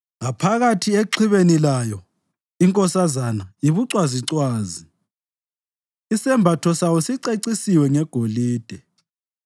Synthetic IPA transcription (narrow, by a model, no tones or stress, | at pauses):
ŋapʰaɣatʰieǃʰiβenilajɔ | iŋkʼɔsazanajiβuǀwaziǀwaːzi | isɛmbʱatʰɔsawɔsiǀeǀisiwɛŋɛɡ̥ʱoliːd̥ʱɛ